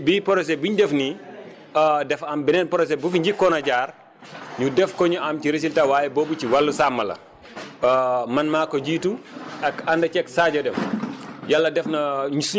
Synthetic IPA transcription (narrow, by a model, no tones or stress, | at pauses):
bipɔɾɔs̬ɛbuɲdɛfni | dɛfɐmbinɛnpɔɾɔs̬ɛbufiɲɟikːɔnɐɟaːr | ɲudɛfkɔɲuɐmciɾes̬iltawaːjɛbɔːbuciwalːusamːɐlɐ̰ | mɐnmaːkɔɟiːtuɐkandɐt͡ʃɛksaɟɔdɛmjalːɐdɛfnɐɲusu